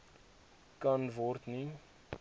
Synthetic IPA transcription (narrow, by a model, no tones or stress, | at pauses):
kɐnvɔrt̪ni